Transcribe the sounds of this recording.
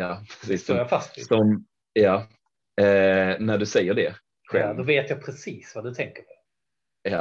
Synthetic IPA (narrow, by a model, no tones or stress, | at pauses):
jɑːpʰɾɛsiːsːjafast̪sɔm | jɑː | næɖɵsɛjːəɖɛ | ɧɛ̰d̪ɔveːt̪japʰɾɛsiːsvad̪ɵt̪ʰɛŋkəpʰɔ̥ | jɑː